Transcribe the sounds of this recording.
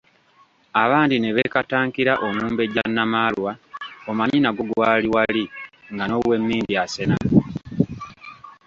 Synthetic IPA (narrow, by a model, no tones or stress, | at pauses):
aβaːndineβe̞kataːŋkiɾaʔomuːmbe̞ɟanːamaːlwaomaɲinaɡo̞ɡwaːliwaliŋɡano̞we̞mːiːmdiase̞na